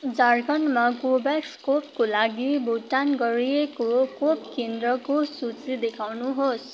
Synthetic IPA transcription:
d͡zarɡʌnmakobakskop̚kolaɡiboʈanɡʌɾiekokopkend̪rʌkosut͡sid̪ekʰawnuɦos

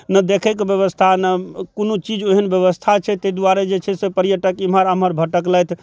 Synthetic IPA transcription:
nəd̪ekʰɛkbjəβəst̪ʰanəkonot͡ʃid͡ʒeɦənbjeβəst̪ʰat͡ʃʰɛt̪ed̪uaɾed͡ʒet͡ʃʰɛsepəɾijəʈəkiməɾəməɾbʱəʈəkləjt̪ʰ

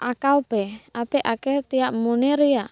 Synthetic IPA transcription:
akaupɛapɛʔakɛt̪ijaʔmuneɾia

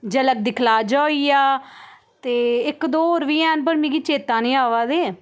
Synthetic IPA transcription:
d͡ʒələk̚d̪ɪkʰlaːd͡ʒaːiːjaː | t̪eːɪkd̪oːoɾʋiːɛːnp̬əɾmĩːkiːt͡ʃeːt̪ãːnĩːaːʋaːd̪eː

